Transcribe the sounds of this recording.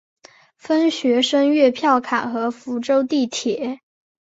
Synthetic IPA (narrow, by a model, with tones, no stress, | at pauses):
fə˥nɕɥɛ˧˥ʂə˥ŋɥɛ˥˧pʰjɑ˥˩ʊkʰa˨˩nxɤ˧˥fu˧˥ʈ͡ʂo˥ʊt̪i˥˩t̪ʰjɛ˨˩˦